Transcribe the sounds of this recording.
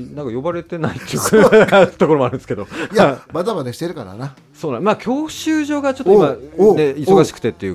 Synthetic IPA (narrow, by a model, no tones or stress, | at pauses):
nãŋkajo̞baɾe̞t̪e̞nait̪ːejɯkḁt̪o̞koɾooaɾɯ̟nd̪esɨ̥ke̞d̪o̞jamad̪amad̪eɕi̥t̪eɾɯ̟kaɾa̰na | so̞ːnãmaːkʲʰo̞ːɕɨːʑo̞ːɡat͡ɕo̞t̪ːoimane̞iso̞ɡaɕi̥kɯ̟̥t̪et̪ːejɯ̟ː